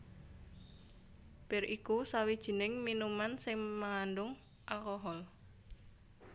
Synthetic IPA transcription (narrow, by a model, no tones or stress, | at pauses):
b̥ɪrʔikusawid̥ʒ̥ə̤nɪŋminumansɪŋmaŋanɖʊŋ | ʔakɔɦɔl